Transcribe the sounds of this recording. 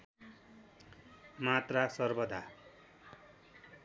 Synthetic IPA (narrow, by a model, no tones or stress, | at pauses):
mat̪rasʌrbʌd̪ʱa